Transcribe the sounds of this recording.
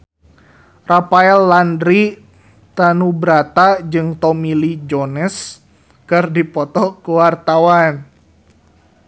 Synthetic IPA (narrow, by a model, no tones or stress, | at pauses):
rapaɛlːandɾi | t̪anubɾat̪ad͡ʒɨŋt̪ɔmilid͡ʒɔnɛs | kɨrdipɔt̪ɔkuwart̪awan